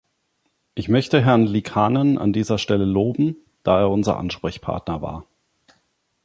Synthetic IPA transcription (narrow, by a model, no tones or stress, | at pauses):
ʔɪçmœçtəɦɛɐnlikʰaːnənʔa̰ndiːzɐʃtɛləloːbm̩ | d̥aːeːɐʊnzɐ̰ʔa̰nʃpʁ̥ɛçpʰa̰ɐtnɐva̰ːɐ